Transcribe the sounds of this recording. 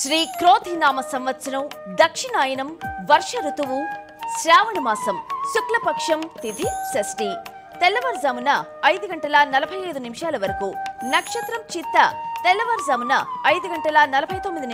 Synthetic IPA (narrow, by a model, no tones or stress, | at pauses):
ʃɾiːkɾoːt̪ʰinaːmɐsɐmʋɐt̪sɐnɐwd̪ɐkʂiɳaːjɐnɐmʋɐɾʂɐɾut̪uʋu | sɾaːʋɐnumaːsɐmsuklɐpɐkʂɐmt̪id̪isɐsʈi | t̪ɛlːɐʋɐɾzɐmunɐː | jd̪uɡɐɳʈɐlɐnɐlɐbʱɐjɐjd̪unimiʂaːlɐʋɐɾɐkunɐkʂɐt̪ɾɐmt͡ʃit̪ːɐ̰t̪ɛlːɐʋɐɾzɐmunɐːjd̪uɡɐɳʈɐlɐnɐlɐbʱɐjt̪omːid̪in